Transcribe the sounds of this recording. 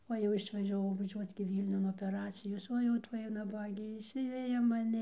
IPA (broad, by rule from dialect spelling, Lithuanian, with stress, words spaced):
oː jɛʊ ɪʃʋɐʒʲɛˈʋɐʊ ʋɐˈʒʲuɔt͡s ɡʲɪ ˈʋʲiːlʲnʲʊn oːpʲɛˈrɑːt͡sʲɪjoːs ˈoː jɛʊ ˈtuɔj nɐˈbɑːɡʲeː ɪʃʲˈsʲɪʋʲɛjɛ mɐˈnʲɪ